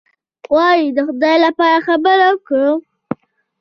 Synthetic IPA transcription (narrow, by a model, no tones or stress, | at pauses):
wɑjid̪əxʊd̪ɑjlapɑɾaxabəɾawkɽə